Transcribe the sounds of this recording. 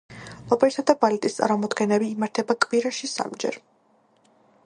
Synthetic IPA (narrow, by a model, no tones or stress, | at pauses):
lɔpʼɛɾisad̪abalɛt̪ʼist̪sʼa̰ɾmɔmɔd̪ɡɛnɛbiːmaɾt̪ʰɛbakʼwiɾaʃisa̰md͡ʒɛ̰ɾ